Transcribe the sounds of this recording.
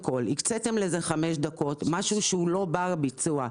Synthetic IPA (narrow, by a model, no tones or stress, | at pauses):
ko̞likt͡sete̞mle̞ze̞χame̞ʃdako̞tmaʃuʃeulo̞baʁbit͡sua